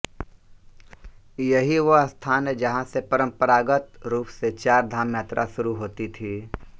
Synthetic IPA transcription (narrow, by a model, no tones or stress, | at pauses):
jɐɦiʋost̪ʰaːned͡ʒɐɦãsepɐɾə̃mpəɾaːɡət̪ɾuːpset͡ʃaːɾd̪ʱaːmjaːt̪ɾʔa̰ʃʊɾuɦoːt̪it̪ʰiː